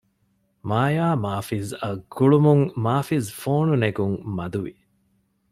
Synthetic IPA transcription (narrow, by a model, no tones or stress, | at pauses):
maːjaːmaːfizɐɡuɭumuŋmaːfizfoːnuneɡuŋmɐd̪uʋḭ